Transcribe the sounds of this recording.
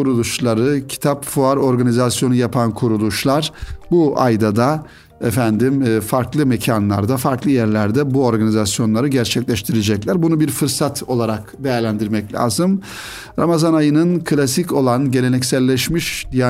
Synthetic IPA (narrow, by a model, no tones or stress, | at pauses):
kuɾulˠuʃlˠaɾɯcʰi̥t̪ʰapfuaɾo̞ɾɡanizasjo̞nujapʰankʰuɾulˠuʃlˠaɾbuʔajd̪ad̪a | efænd̪imfaɾklˠɯmecʰanlˠa̰ɾd̪afaɾklˠɯjæɾlʲæɾd̪ɛbuo̞ɾɡanizasjo̞nlˠaɾɯɟæɾt͡ʃʰɛclʲɛʃt̪ʰiɾed͡ʒɛclʲæɾbunubiɾfɯɾsat̪ʰo̞lˠaɾakbejæɾlʲænd̪iɾmɛclʲa̰ːzɯm | ɾamazanajɯnɯnkʰɯlʲasico̞lˠanɟe̞lʲe̞nɛcsælʲːɛʃmiʃd̪ija